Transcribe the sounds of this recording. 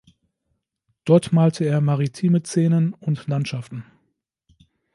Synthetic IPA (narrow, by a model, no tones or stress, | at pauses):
d̥ɔɐtmaːltʰəeːɐmaʁitʰiːmət͡seːnənʊntlantʃaftn̩